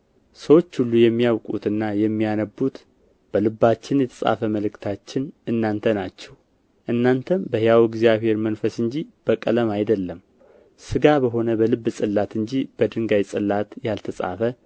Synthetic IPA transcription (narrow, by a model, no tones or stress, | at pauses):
səwo̞t͡ʃːhulːujɛmːijawkʼut̪ɨnːajɛmːijanəbːut̪ | b̥əlɨbːat͡ʃːɪnjɛt̪ʰəsʼa̰fəməlɨkt̪ʰat͡ʃːɪnɨnːant̪ʰənat͡ʃːɛw | ʔɨnːant̪ʰəmbəhjawɪɡzijaβhe̞ɾmənfəsɨɲd͡ʒib̥əkʼələmajd̪əlːəm | sɨɡabəɦo̞nəbəlɨbːɨsʼɨlːat̪ɨɲd͡ʒib̥əd̪ɨŋɡajsʼɨlːat̪jalt̪ʰəsʼa̰fə